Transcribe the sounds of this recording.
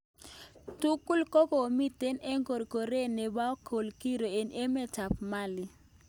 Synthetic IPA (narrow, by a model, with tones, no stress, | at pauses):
tu˦ku˦lko˦ko˨mi˦t̪e˦nɛ˦ŋɡo˨ɾko˨ɾe˦ne˨ba˦ɔ˦kʰo˨lki˦ɾo˨e˨ne˦mɛ˦ta˨p̚ma˦lɪ˨